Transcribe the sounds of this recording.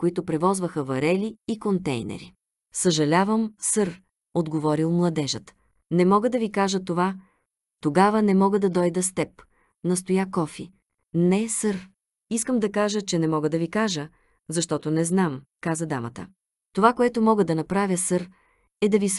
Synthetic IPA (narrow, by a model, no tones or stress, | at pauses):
koit̪ʊpɾɛvɔzvəxəvɐɾɛliːkont̪ɛ̰jnɛ̰ɾḭ | səʒɐlʲavəmsɤɾ | od̪ɡovɔɾilˠmlˠɐd̪ɛʒət̪ | nɛmɔɡəd̪ɐvikaʒət̪ova | t̪oɡavənɛmɔɡəd̪ɐd̪ɔjd̪əst̪ɛp | nɐst̪ojakɔfi | nɛsɤɾ | iskəmd̪ɐkaʒət͡ʃɛnɛmɔɡəd̪ɐvikaʒə | zɐʃt̪ɔt̪onɛznamkazəd̪amə̰t̪ə̰ | t̪ovakoɛt̪omɔɡəd̪ɐnɐpɾavʲjəsɤɾ | ɛd̪ɐvis